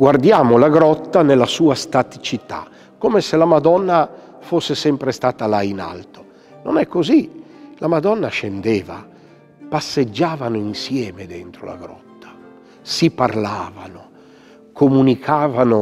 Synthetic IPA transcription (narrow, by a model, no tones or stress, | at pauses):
ɡward̪jaːmolaɡɾɔt̪ːanelːasuːast̪at̪it͡ʃit̪a̰ | kːomeselamad̪ɔnːa | fosːesɛmpɾest̪aːt̪alaina̰lt̪o̥ | nonɛkːozi | lamad̪ɔnːaʃend̪ɛːva̰ | pasːed͡ʒːaːvanoinsjɛːmed̪ɛnt̪ɾo̰la̰ɡɾɔ̰t̪ːḁ | siparlaːvano | kʰomunikʰaːvano